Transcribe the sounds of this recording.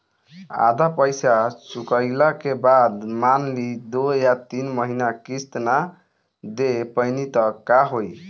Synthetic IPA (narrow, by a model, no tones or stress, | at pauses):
a̰d̪ʱapəjsasukəjlakebad̪manlid̪ojat̪inmʌɦinakist̪na | d̪epʌjnit̪ʌkaɦoj